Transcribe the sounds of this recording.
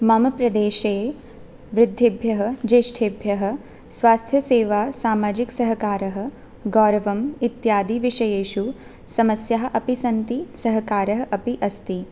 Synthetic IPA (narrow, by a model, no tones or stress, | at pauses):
maːmɐpɾɐd̪eːʃeː | ʋɾɪd̪ʱːibʱjɐɦɐ̆d͡ʒeːʃʈʰebʱjɐɦɐ̆ | sʋaːst̪ʰjɐseːʋaːsaːmaːd͡ʒiksɐɦɐkaːɾɐɦɐ̆ | ɡɔːɾɐʋɐmit̪jaːd̪iʋiʃɐjeːʃu | sɐmɐsjaɦɐ̆ʔɐpisɐnt̪isɐɦɐkaːɾɐɦɐʔɐpiʔɐst̪i